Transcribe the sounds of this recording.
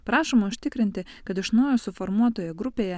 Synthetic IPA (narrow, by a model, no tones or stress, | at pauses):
pɾɑːʃoːmɐʊʃʲt̪ʲɪkɾʲɪnʲt̪ʲɪ | kɐt̪ɪʃnɐʊjoːsʊfɔɾmuɔt̪oːjɛɡɾʊpʲeːjɛ